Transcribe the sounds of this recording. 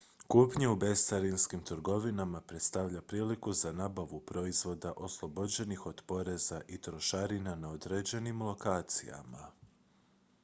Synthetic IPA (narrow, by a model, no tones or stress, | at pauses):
kupɲeubest̪aɾinskimt̪ɾɡo̞ʋinamapɾe̞t̪st̪aʋʎapɾiːlikuzanaːbaʋupɾo̞izʋo̞d̪aʔo̞slˠobo̞d͡ʑe̞nixo̞d̪po̞ɾe̞zaʔit̪ɾo̞ʃaɾinanaod̪ɾed͡ʑe̞nimlˠo̞kaːt̪sḭja̰ma